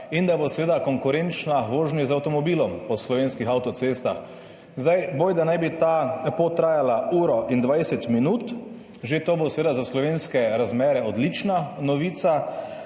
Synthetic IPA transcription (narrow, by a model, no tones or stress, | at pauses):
ind̪abosɛʋeːd̪akɔŋkʊɾent͡ʃnaʋoːʒniɛzawt̪ɔmɔbiːlɔmpɔslɔʋenskixawt̪ɔt̪seːst̪a̰x | zd̪ajbojd̪anajbit̪apot̪ɾaːjalauːɾɔʔind̪ʋajsɛt̪minuːt̪ | ʒet̪obosɛʋeːd̪azaslɔʋeːnskɛɾazmɛːɾɛɔd̪lit͡ʃnanɔʋiːt̪sa